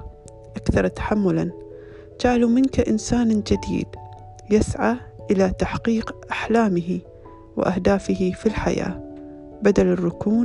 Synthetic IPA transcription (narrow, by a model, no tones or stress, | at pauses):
ʔakθɑɾˤt̪ḁħamːʊlan | d͡ʒaʕlumɪnkaʔɪnsaːnd͡ʒɪd̪ḭːd̪ | jɪsʕaːʔɪlat̪aħqiːqʔaħlaːmɪɦi | wɪ̰ʔahd̪aːfɪhifilħa̰ja̰ː | bad̪alɪrːʊkuː